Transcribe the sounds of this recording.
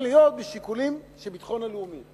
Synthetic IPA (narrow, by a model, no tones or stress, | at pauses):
lijo̞t̪̚beʃikulimʃebit̪χo̞naleumi